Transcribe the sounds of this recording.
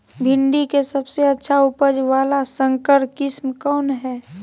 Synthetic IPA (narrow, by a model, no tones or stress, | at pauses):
bʱɪ̃ɳɖikesəbseətːʃʰaupəd͡ʒʋaːlasə̃ŋkəɾkɪsmkɔːnɦɛː